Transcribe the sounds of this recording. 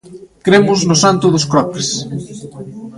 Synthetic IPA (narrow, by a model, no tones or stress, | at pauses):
kɾemʊznʊsant̪ʊðʊskɾɔpɾes